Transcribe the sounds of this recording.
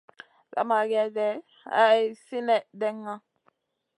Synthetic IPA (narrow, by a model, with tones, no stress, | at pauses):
za̰˨ma˨ɡɛ˦dɛ˨ | a̰˦˨si˦nɛ˨dɛ˦ŋːa˦